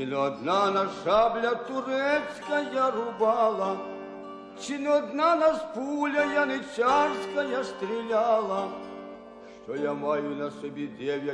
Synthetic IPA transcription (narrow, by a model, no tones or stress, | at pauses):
inɔd̪nanɐʂablʲɐt̪ʊɾɛt̪sʲkɐjarʊbɑlˠɐ | t͡ʃinɔd̪nanɐspulʲɐjanɪt͡ʃʲaʂkɐjast̪ɾʲilʲalˠɐ | ʂt͡ʃɔjamajʊnɐsɔbʲid̪ʲɛʋʲjɐ